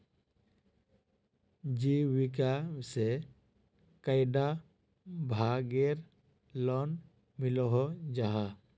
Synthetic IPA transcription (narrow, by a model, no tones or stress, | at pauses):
d͡ʒiwik̬ase | kəjɖa | bʱaɡeɾ | lɔn | milɔɦɔd͡ʒaɦa